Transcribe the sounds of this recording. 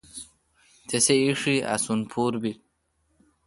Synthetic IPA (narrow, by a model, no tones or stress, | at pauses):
t̪eseiʂia̰sunpʰuɾbi